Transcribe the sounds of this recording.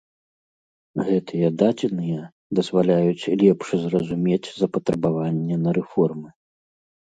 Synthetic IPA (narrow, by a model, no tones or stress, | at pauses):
ɣɛt̪ɨjɛd̪ad͡zʲɛnɨjɛ | d̪ɐzvalʲajut͡sʲlʲɛpʂɨzrɐzumʲed͡zʲzɐpɐt̪ɾɐbavanʲːɛnɐɾɛfɔrmɨ